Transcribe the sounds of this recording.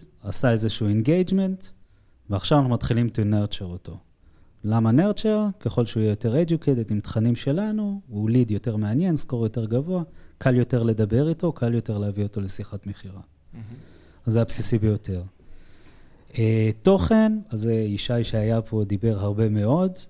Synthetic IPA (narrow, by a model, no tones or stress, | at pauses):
asaezeʃuenɡejd͡ʒme̞nt | veaχʃavanaχumat̪χilimt̪uneʁt͡ʃeʁoto̞ | lamaneʁt͡ʃeʁke̞χo̞lʃeujɛjote̞ʁed͡ʒukʰejtedimt̪χanimʃe̞lanuulidjo̞te̞ʁmeanje̞nsko̞ʁjo̞te̞ʁɡavoakʰaljo̞te̞ʁle̞d̪abe̞ʁito̞kʰaljo̞te̞ʁleavio̞to̞le̞siχatme̞χiʁa | azajapsisibejo̞te̞ʁ | eto̞χe̞nalzeiʃajʃeajapʰo̞d̪ibe̞ʁɦaʁbe̞me̞o̞d